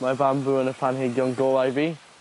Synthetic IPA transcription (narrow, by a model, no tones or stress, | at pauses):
majbambuənəpʰanɦeɡjɔŋɡoːlˠajvi